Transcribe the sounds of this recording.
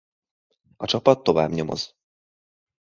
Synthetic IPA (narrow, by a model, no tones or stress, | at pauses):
ɒt͡ʃɒpɒt̪ːo̞va̰ːbɲo̞mo̞̰z̥